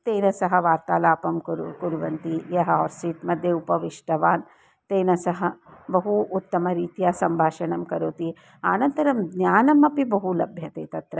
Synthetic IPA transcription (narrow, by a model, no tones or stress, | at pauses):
t̪eːnɐsɐɦɐ̆ʋaːɾt̪aːlaːpɐmkɾkuɾʋɐnt̪ijɐɦɐɔːɾsiːʈmɐd̪ʱjeupɐʋiʂʈɐʋaːn | t̪eːnɐsɐɦɐ̆bɐɦuʔːt̪ːɐmɐɾiːt̪ijaːsɐmbʱaːʃɐɳɐmkɐɾoːt̪i | aːnɐnt̪ɐɾɐmɡnjaːnɐmɐpibɐɦulɐbʱjɐt̪eːt̪ɐt̪ɾɐ